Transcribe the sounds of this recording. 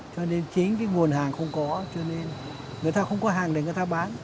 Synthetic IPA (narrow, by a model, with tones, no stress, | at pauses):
t͡ɕɔ˧ne˧nt͡ɕi˨˦ŋ̟kaː˨˦jŋu˨˩ənɦaː˨˩ŋxə˧wŋ͡mkɔ˨˦t͡ɕɔ˧ne˧n | ŋɨ˨˩əjt̪aː˧xə˧wŋ͡mkɔ˨˦ɦaː˨˩ŋɗe˨˩ŋɨ˨˩jt̪aː˧ɓaː˨˦n